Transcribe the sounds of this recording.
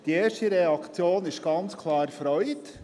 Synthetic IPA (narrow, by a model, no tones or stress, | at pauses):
d̥ieːɾʃtəɾɛɑkt͡sjoːnɪʃɡ̥ɑnt͡skʰlɑːɾfɾœʏt